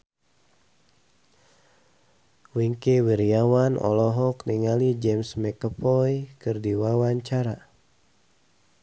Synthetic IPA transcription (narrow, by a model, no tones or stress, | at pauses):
wiŋkiwiɾiawanɔ̰lɔɦɔkniŋalid͡ʒɛmsmɛkəpɔjkɨrdiwawaɲt͡ʃaɾa